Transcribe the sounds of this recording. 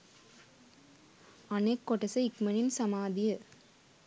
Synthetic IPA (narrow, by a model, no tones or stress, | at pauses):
ɐnekːɔʈːɐsɐɪkmɐnɪnsɐmaːd̪ɪjɐ